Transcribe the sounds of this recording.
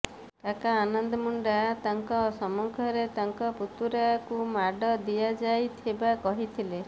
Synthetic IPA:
kakaːnɔnd̪ɔmuɳɖat̪aŋkɔsɔmɔŋkʰɔɾet̪aŋkɔput̪uɾakumaɖɔd̪ijad͡ʒajt̪ʰibakɔɦit̪ʰile

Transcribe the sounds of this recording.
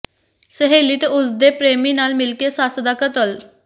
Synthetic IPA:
səɦeːliːt̪eːʊsd̪eːpɾeːmiːnaːlmɪlkeːsaːsd̪aːkət̪əl

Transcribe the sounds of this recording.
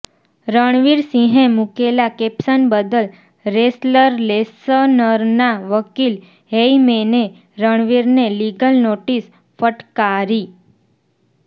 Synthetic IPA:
ɾəɳ̃ʋiɾsĩɦẽmukelakepsənbəd̪əl | ɾesləɾlesənəɾnaʋəkil | ɦeimene | ɾəɳʋiɾneliɡəlnoʈis | fəʈkaɾi

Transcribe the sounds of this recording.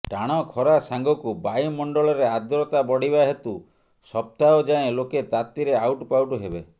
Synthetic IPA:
ʈaɽ̃ɔkʰɔɾasaŋɡɔkubajmɔɳɖɔɭɔɾead̪ɾɔt̪abɔɽibaɦet̪u | sɔp̚t̪aɔd͡ʒaẽloket̪at̪iɾeawʈpawʈuɦebe

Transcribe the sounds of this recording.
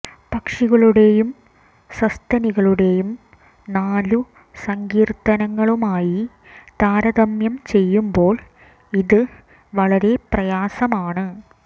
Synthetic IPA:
pɐkʂiɣɐɭuɽe̞jum | sɐst̪ɐniɣɐɭuɽe̞jum | naːlu | sɐŋɡiːrt̪ɐnɐŋːɐɭumaːji | t̪aːɾɐðɐmjɐmt͡ɕe̞jːumbo̞ːɭ | iðɨ | ʋɐɭɐɾe̞prɐjaːsɐmaːɳɨ

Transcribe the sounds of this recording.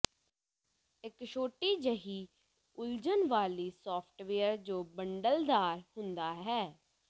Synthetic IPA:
ɪkʃoːʈiːd͡ʒəɦiː | ʊld͡ʒənʋaːliːsɔːpʰʈʋeːəɾd͡ʒoːbəɳɖəld̪aːɾhʊnd̪aːɦɛː

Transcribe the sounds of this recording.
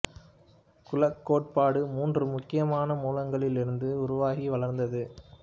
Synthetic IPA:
kʊlɐkːoːʈ̚paːɽɯmuːndrɯmʊkːɪjɐmaːnɐmuːlɐŋɡɐɭɪlɪɾɯnd̪ɯʊɾʊʋaːɣiʋɐlɐɾnd̪ɐðɯ

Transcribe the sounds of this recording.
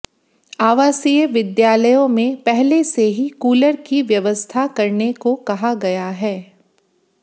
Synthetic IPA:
aːʋaːsijəʋɪd̪jaːləjõmẽpɛɦleseɦikuːləɾkiʋjɐʋəst̪ʰakɐɾnekokɐɦaɡɐjaɦɛː

